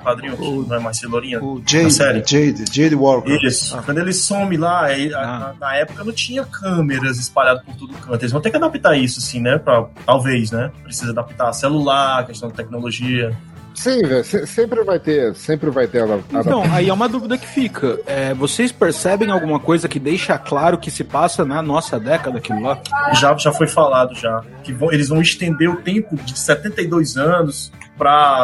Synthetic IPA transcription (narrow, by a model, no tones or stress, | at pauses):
pad̪ɾĩɲʊknɐ̃w̃ɛmajseloɾĩɲɐd͡ʒesɛɾẽd͡ʒed̪d͡ʒejd̪wɔɾkisʊ̥kd̪ʊelɪsõmɪlaeaanɐɛpʊ̥kɐnɐ̃w̃t͡ʃĩɲɐkʰɐ̃meɾɐzɪspaʎad̪ʊpoɾt̪od̪ʊkɐ̃t̪ʊelɪzvɐ̃w̃t̪eɾkɪad̪apit̪aisʊasĩnɛpɾɐt̪awvejs̬nɛpɾesizɐad̪apit̪aselulaɾɾkest̪ɐ̃w̃d͡ʒ̪ɪt̪ɛk̚noloʒiɐ | sĩvɛsẽsẽmpɾɪvajt̪esẽmpɾɪvajt̪eɐd̪ãadt̪aɐ̃w̃aiɛũmɐd̪uvid̪ɐkɪ̥fikʰɐɛvosejspeɾsɛbẽj̃awɡũmɐkojzɐkɪd̪ejʃaklaɾʊkɪsɪpasɐnɐnɔsɐd̪ɛkɐd̪ɐkilʊlaʒaʒafojfalad̪ʊʒa | kɪvɐ̃w̃elɪzvɐ̃w̃ɪst̪ẽnd̪eɾʊt̪ẽmpʊd͡ʒɪsɛt̪ẽnt̪ɐjd̪ojzɐ̃nʊs | pɾɐ